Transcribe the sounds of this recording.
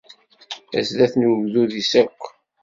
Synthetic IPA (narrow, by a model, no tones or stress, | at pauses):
æ̰sðæθnuvðuðisækʷː